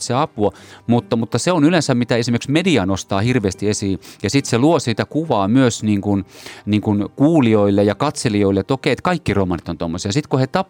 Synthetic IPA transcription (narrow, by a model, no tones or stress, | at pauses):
seɑpuɑmut̪ːɑmut̪ːɑseonylensæmmit̪æesimerksmediɑnost̪ɑːhirʋeːst̪iesiːjɑsit̪seluosiːt̪ækuʋɑːmyøsniːŋkunniːŋkunkuːlioilːejɑkɑt̪selioilːet̪okeˑiet̪kɑikːiromɑnit̪ont̪omːosiɑsit̪kuhet̪ɑp